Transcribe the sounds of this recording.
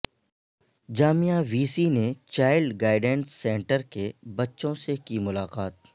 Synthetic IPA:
d͡ʒaːmijaʋiːsinet͡ʃaːɪlɖɡaːɪɖɛ̃ɳsːɛ̃ːɳʈəɾkebɐtːʃõsekimʊlaːqaːt̪̚

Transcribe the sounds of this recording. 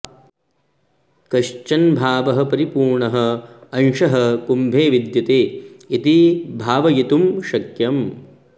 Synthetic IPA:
kɐʃt͡ʃɐnbʱaːʋɐɦɐ̆pɐɾipuːɾɳɐɦɐɐnʃɐɦɐkumbʱeːʋid̪jɐt̪eːit̪ibʱaːʋɐjit̪umʃɐkjɐm

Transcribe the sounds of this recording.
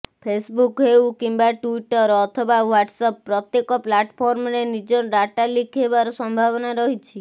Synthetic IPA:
pʰesbukɦewkimbaʈuiʈɔɾɔt̪ʰɔbawaʈsapːɾɔt̪jekɔplaʈpʰɔɾmnenid͡ʒɔɾaʈalikʰebaɾɔsɔmbʱaʋnaɾɔɦit͡ʃʰi

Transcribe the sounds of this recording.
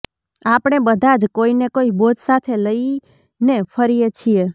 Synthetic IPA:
apɽ̃ebəd̪ʱad͡ʒkoinekoibot̪sat̪ʰeləi | nepʰəɾijet͡ʃʰije

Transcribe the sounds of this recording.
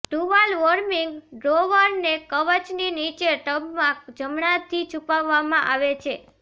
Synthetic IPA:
ʈuʋalʋəɾmiŋɡɖɾoʋəɾnekəʋət͡ʃninit͡ʃeʈəbmãd͡ʒəmɳat̪ʰit͡ʃʰupaʋːamãʔaʋet͡ʃʰe

